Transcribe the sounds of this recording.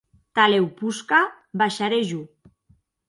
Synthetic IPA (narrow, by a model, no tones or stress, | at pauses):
t̪alewpuska | baʃaɾeʒu